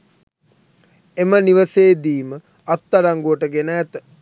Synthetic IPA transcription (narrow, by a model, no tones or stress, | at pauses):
eməniʋəseːd̪iːmə | at̪ːaɾaŋɡuəʈəɡenəːt̪ə